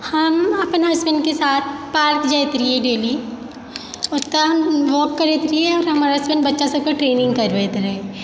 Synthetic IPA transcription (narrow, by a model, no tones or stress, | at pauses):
hɐmɐpnɦɐsbɛnɖkesaːt̪̚ʰpaːɾkd͡ʒajt̪ɾiɛɖeːli | ɔt̪aɦʋɔːkːɐɾeːt̪ɾiɛɔːɾɦɐmaːɾaɦɐsbə̃nbɐtːʃasɐb̚kɐʈɾeːnɪ̃ŋɡkɐɾʋeːt̪ɾɐɦẽ